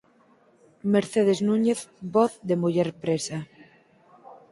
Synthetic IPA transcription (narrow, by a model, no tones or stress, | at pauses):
meɾθeð̞eznũɲeθboθðemuʝɛɾpɾesa